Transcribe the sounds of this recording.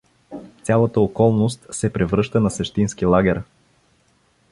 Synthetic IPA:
t̪sʲjalˠət̪əokɔlˠnost̪sɛpɾɛvɾɤʃt̪ənɐsɛʃt̪inskilˠaɡʲɛɾ

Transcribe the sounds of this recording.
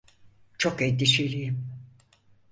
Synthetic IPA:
t͡ʃʰokɛd̪iʃelʲijim

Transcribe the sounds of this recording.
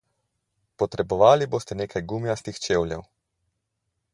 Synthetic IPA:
pɔt̪ɾɛbɔʋaːliboːst̪ɛneːkʰajɡumjast̪ixt͡ʃeːwljɛ̰w

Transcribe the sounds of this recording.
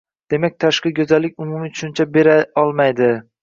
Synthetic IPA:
d̪̥e̞mak̚ʲt̪ʰaʃqɨɡʲɵzalːɪkʲʊmʊmɪt͡ʃʰʊ̥ʃʊnt͡ʃʰabe̞ɾaɒlˠmajd̪ɪ

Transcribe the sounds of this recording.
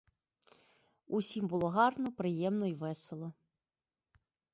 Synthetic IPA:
usʲimbulˠɔɣɑrnɔpɾɨjɛmnɔivɛsɛlˠɔ

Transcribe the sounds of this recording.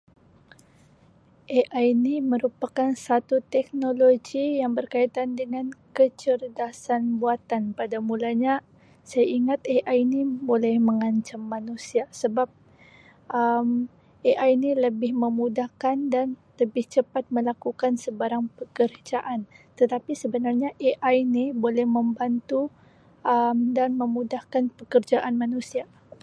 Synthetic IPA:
ʔeʔainiməɾupakansat̪ut̪ɛk̚noloɡijaŋbərkait̪andəŋankət͡ʃərdasanbuat̪anpadamulaɲa | sajaiŋat̪eʔainibolɛhməŋaɲt͡ʃamːanusiasəbap̚ | ʔəm | ʔeʔajniləbɪhməmudahkandanləbɪht͡ʃəpat̪̚məlakukansəbaɾaŋpəkəɾd͡ʒaʔant̪ət̪apisəbənarɲaʔeʔainibolɛhməmbant̪u | əmdanməmudahkanpəkərd͡ʒaʔanmanusia

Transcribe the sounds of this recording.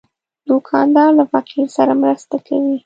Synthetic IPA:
d̪ukʰɑnd̪ɑɾlafaqilsaɾamɾəst̪akʰawi

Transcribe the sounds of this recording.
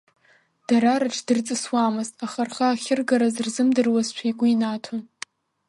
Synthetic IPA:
d̥aɾaɾɨʈ͡ʂʰdɨrt͡sʼɨswamɨztʼaχarχaːχʲɪrɡaɾazɨrzɨmdɨrwazt͡ʃʷʰajɡʷʊinatʰa

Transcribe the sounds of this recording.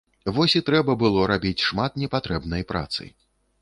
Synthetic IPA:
vɔsʲit̪ɾɛbɐbɨlˠɔɾabʲit͡sʲʂmat̪̚nʲɛpat̪ɾɛbnɐjpɾa̰t̪sɨ̰

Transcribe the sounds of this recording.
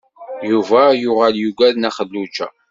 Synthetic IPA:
juvæjʊʁæljuɡʷæðnæχəlːut͡ʃæ̰

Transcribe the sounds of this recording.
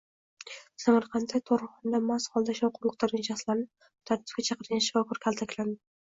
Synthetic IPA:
samaɾqʰɑnt̪ʰat̪ʰoɾɨχɒnd̪amasχɒlˠd̪aʃɒwqʰʊmʊqt̪ʰaɾɡʲanʃaχslaɾnɪ | t̪ʰaɾt̪ʰɪ̥pɡʲat͡ʃʰɑqʰəɾɡʲanʃɪvakʰʊɾkʲʰalˠt̪ʰakʲland̪ɪɪ

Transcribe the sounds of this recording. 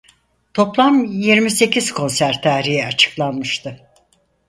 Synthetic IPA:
t̪ʰo̞plˠamjiɾmise̞cʰiz̥kʰo̞nsæɾt̪ʰaɾijɛat͡ʃʰɯ̥klˠanmɯʃt̪ʰɯ

